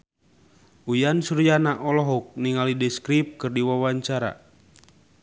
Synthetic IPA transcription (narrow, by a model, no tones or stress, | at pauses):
ujansuɾjanaʔɔlɔɦɔk̚niŋalidɛskɾip̚kɨrdiwawaɲt͡ʃaɾa̰